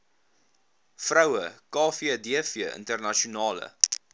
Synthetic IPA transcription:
frœwəkɑːfiədiəfiəʔə̰ntərnɐʃiunɑːlə̰

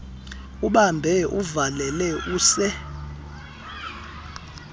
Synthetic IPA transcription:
uɓambʱɛuvalɛlɛuːsɛ

